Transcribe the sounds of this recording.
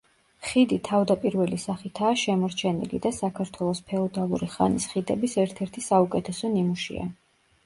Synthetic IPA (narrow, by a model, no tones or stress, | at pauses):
χid̪it̪ʰavd̪apʼiɾvɛlisaχit̪ʰaːʃɛmɔɾt͡ʃʰɛnḭlḭd̪asakʰaɾt̪ʰwɛlˠɔspʰɛɔd̪alˠuɾiχa̰nisχid̪ɛbisɛɾt̪ʰɛɾt̪ʰisaukʼɛt̪ʰɛsɔnimuʃḭa̰